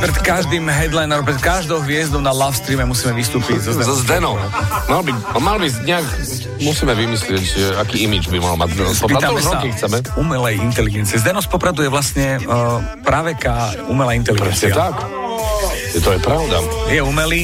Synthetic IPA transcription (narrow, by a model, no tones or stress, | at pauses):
pɾɛt̪kaʒd̪iːmɦɛd̪lajnɔpɾɛt̪kaʒd̪ɔʊɦʋɪɛzd̪ɔʊnalafst̪ɾiːmɛmusiːmɛʋist̪uːpizɔzɛzd̪ɛnɔmalbi | malbiɲɛak | musiːmɛʋimislɪɛcʒɛakiːimid͡ʒbimaɦlma̰ɟzd̪ɛnɔsɔpiɾad̪amɛkixt͡sɛmɛumɛlɛjint̪ɛliɡɛnt͡siɛzd̪ɛnɔspɔpɾad̪ujɛʋlasɲɛ | pɾaʋɛkaː | umɛlaint̪ɛliɡpɾɛsiɲɛat̪ak | jɛt̪ɔɛpɾaʊd̪a̰jɛumɛliː